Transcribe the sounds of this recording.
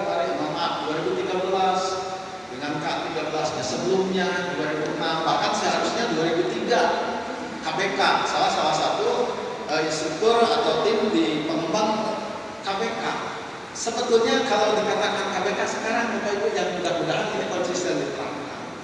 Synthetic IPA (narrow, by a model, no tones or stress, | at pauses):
paɾahimamaʔ̚duaɾebut̪iɡabəlas | dəŋankaʔt̪iɡabəlasnasəbəlʊmɲaduaɾebumabahkansəɦaɾusɲaduaɾebut̪iɡa | kapekasalasalasat̪u | əinst̪ɾuk̚t̪ʊra̰t̪awt̪ɪmdipəmbaŋ | kapeka̰ | səbət̪ʊlɲakalawdəŋak̪akankabekasə̥kaɾaŋtupait̪ujaŋt̪uɡaɡudaʔaninikalt͡ʃisandip̪əɾa̰kka̰n